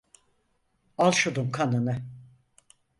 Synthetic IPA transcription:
alˠʃod̪umkʰanɯnɯ

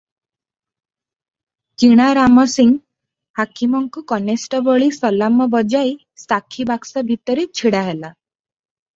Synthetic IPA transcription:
t͡ʃiɽ̃aɾamɔsiŋ | hakimɔŋkukɔnesʈɔbɔɭisɔlamɔbɔd͡ʒaj | sakʰibaksabʱit̪ɔɾit͡ʃʰiɽaɦela

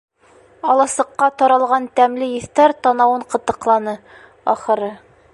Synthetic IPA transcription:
ɒlˠɑsɤ̆qːɑt̪ɒɾɑlˠʁɑnt̪æmlɘjɘ̆θt̪æɾt̪ɒnɑwɤɴqɤ̆t̪ːɤ̆qlˠɑnɤ | ɒχɤ̆ɾɤ

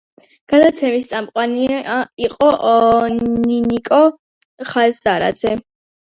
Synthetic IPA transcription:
ɡ̥ad̪at̪sʰɛmist̪sʼamqʼwaniiqʼɔʔ | ninikʼɔ | χasd̪aɾa̰d̪z̥ɛ

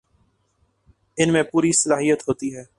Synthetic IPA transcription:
ɪnmẽpuːɾisɐlaːɦijət̪ɦoːt̪iɦɛː

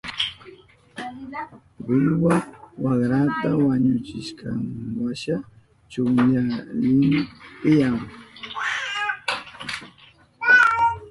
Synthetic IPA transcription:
ɢʊʎwawaχɾat̪awaɲʊt͡ʃɪʃkɑ̰ŋwaʃa | t͡ʃʊŋʎalɪmpɪjaŋ

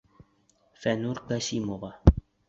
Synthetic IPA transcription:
fɛnuɾkasimova

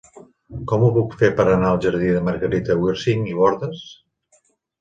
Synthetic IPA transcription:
kɔmuβukfepəɾənaəlˠʒəɾðiðəməɾɣəɾit̪əwiɾsiŋiβɔɾðəs

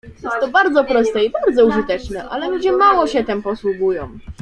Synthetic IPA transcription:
jɛst̪ːɔbaɾd̪zɔpɾɔst̪ɛibaɾd̪zɔuʐɘt̪ɛt͡ʂnɛʔa̰lɛlud͡ʑɛmawɔɕɛt̪ɛmpɔswuɡujɔ̰̃w̃

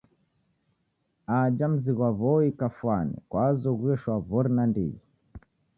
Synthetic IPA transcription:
ad͡ʒam̩ziɣwaβɔikafwanɛ̰kwazɔɣwɛʃwavɔɾinandḭɣi

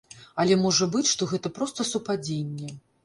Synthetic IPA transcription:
ɐlʲɛmɔʐɐbɨt͡sʲʂt̪ɔɣɛt̪ɐpɾɔst̪ɐsupad͡zʲenʲːɛ

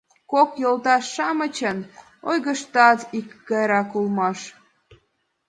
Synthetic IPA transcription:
kokjolt̪ɑʃːɑmət͡ɕən | ojɣəʃt̪ɑt̪ikːɑjɾɑkulmɑʃ

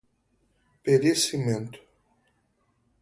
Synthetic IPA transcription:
peɾesiment̪

